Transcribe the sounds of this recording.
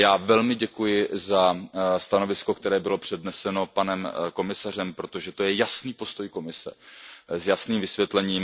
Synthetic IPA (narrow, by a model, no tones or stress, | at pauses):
jaːvɛlmɪɟɛkujɪzast̪ano̞vɪsko̞k̚t̪ɛɾɛːbɪlo̞pr̝̥ɛdnɛsɛno̞panɛmko̞mɪsar̝ɛmpɾo̞t̪o̞ʒɛt̪o̞jɛjasniːpo̞st̪o̞jko̞mɪsɛ̰zjasniːmvɪsvjɛt̪lɛɲiːm